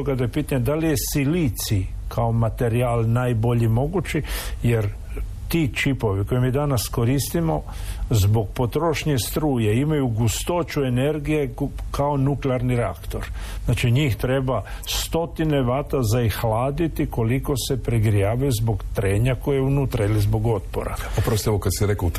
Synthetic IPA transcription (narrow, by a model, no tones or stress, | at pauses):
oɡad̪aepiːt̪aɲed̪alije̞silit̪sikʰao̞mat̪e̞ɾialˠnajbo̞ʎimo̞ɡut͡ʃije̞ɾ | t̪it͡ʃipo̞ʋiko̞jemiːd̪anasko̞ɾist̪imo̞ | zbo̞ɡ̚po̞t̪ɾo̞ʃɲest̪ɾuːjeimajuɡust̪o̞t͡ʃue̞ne̞ɾɡije̞kao̞nukleaɾniɾea̰kt̪o̞̰ɾ | znaːt͡ʃiɲiːxt̪ɾe̞ba | st̪o̞t̪ine̞ʋaːt̪azaixlaːd̪it̪iko̞liko̞se̞pɾeɡɾijaːʋajuzbo̞ɡt̪ɾe̞ːɲako̞jeeunuːt̪ɾailizbo̞ɡo̞t̪po̰ɾa̰opɾost̪eʋokad̪siɾeko